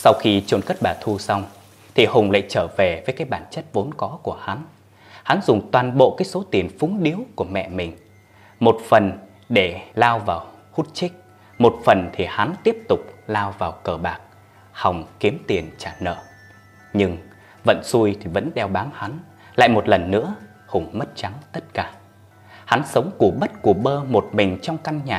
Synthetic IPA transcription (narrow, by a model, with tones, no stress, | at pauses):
sa˧wxi˧t͡ɕu˨˧˩nkə˦˥t̚ɓaː˨˩t̪ʰu˧sa˧wŋ͡m | t̪ʰi˨˩hʊ˨˩ŋ͡mla̰ː˧˨jt͡ɕəː˧˩ve˨˩vəː˨˦jkaː˨˦jɓaː˧˩nt͡ɕə˦˥t̚vo˨˦nkɔ˨˦ku˧˩əha˨˦n | ha˨˦nzʊ˨˩ŋ͡mt̪waː˨˩nɓo̰˧˨kaː˨˦jso˨˦t̪i˨˩ənfʊ˨˦ŋɗi˨˦əwku˧˩əmɛ̰˧˨mï˨˩ŋ̟ | mo˨˩t̚fə˨˩n | ɗe˧˩laː˧wvaː˨˩whu˦˥t̚t͡ɕï˦˥k̚ | mo˨˩t̚fə˨˩nt̪ʰi˨˩ha˨˦nt̪i˦˥əp̚t̪ʊ˨˩k͡p̚laː˧wvaː˨˩wkəː˧˩ɓaː˨˩k̚ | ha˨˩wŋ͡mki˨˦əmt̪i˨˩ənt͡ɕaː˧˩nə̰ː˧˨ | ɲɨ˧ŋ | və̰˧˨nsu˧jt̪ʰi˨˩və̰˧˥nɗɛ˧wɓaː˨˦nha˨˦n | la̰ː˧˨jmo˨˩t̚lə˨˩nːɨ̰˧˥ə | hʊ̰˨˩ŋ͡mmə˦˥t̚t͡ɕa˨˦ŋt̪ə˦˥t̚kaː˧˩ | ha˨˦nsə˨˦wŋ͡mku˧˩əɓə˦˥t̚ku˧˩əɓəː˧mo˨˩t̚mï˨˩ŋ̟t͡ɕɔ˧wŋ͡mka˧ŋɲaː˨˩